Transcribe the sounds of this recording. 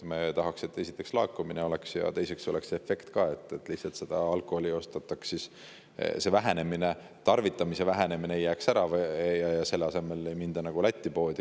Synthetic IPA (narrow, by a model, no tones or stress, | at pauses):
mɑt̪ɑɦɑkse̞t̪ːe̞si̥t̪ˑːe̞kslɑːkːˑumineo̞le̞ksjɑ̰t̪e̞jse̞kso̞le̞kse̞fe̞kt̪kɑːe̞t̪ːˑet̪ːˑlihsɑlt̪se̞d̪̥ɑɑlkˑoholio̞st̪ɑt̪ːˑɑksis | se̞væɦe̞ne̞mine | t̪ɑrvit̪ːˑɑmise̞væɦene̞mineejːæːksæɾɑvjɑjɑse̞lːeɑse̞me̞le̞jmind̪̥ɑnɑɡ̥ulæt̪ʲːˑipo̞ːd̪i